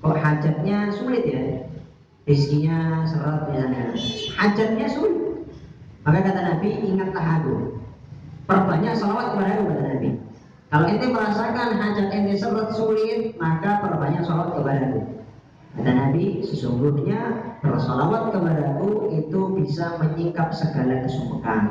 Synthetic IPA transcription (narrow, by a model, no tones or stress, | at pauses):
kɔʔhad͡ʒat̪̚ɲasulɪt̪̚ja | riskiɲasərat̪̚jaŋahad͡ʒat̪̚ɲasulɪt̪̚makakat̪anabiʔiŋat̪̚laɦakṵ | pərbaɲaʔsalawat̪̚kəpadakukat̪anabḭ | kalaint̪uməɾasakanɦad͡ʒanaŋdisərat̪̚sulɪt̪̚makapərbaɲaʔsalawat̪̚kəpadaku | kat̪anabisəsuŋɡuhɲab̥ərsalawat̪̚kəbadakuit̪ubisaməɲikap̚səɡalakəsupəka̰